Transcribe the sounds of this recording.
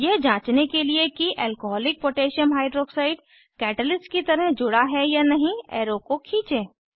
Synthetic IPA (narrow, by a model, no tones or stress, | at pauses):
jed͡ʒãːt͡ʃnekeliekiʔɛːlkoɦɔːlɪk̚poːʈeːʃənɦaːɪɖɾoːksaːɪɖ | kɛːʈəlɪsskit̪ɐɾəɦd͡ʒʊɽaɦɛjanɐɦĩɛːɾokokʰĩːt͡ʃeː